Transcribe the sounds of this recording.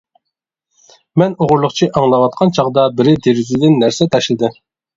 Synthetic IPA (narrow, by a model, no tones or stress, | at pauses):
mɛnoʁʊɾlˠʊχt͡ʃʰiʔɑŋlˠɑwɑt̪̚qʰɑnt͡ʃʰɑʁd̪ɑbɪɾɪd̪eɾɪzd̪ɪnːæɾsɛt̪ʰɛʃlɪd̪ɪ